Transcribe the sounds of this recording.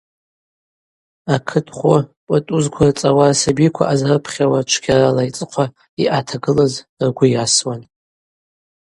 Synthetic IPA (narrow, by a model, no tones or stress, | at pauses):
akʰɨtʰʼχʷʊpʼatʼuzkʷʰart͡sʼawarsabikʷʰa̰ʔazrɨpʰχʲawat͡ʃʷʰɡʲaralait͡sʼɨqʷʰa | iʔatʰaɡɨlaz | rɡʷʊjaswan